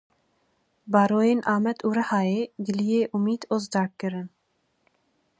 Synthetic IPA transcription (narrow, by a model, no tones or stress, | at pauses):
bɑːɾoːjeːnʔɑːmɛt̪ʰuːɾɐhɑːeːɡɨlijeːʔumiːd̪oːzd̪ɑːɾkɨɾɨn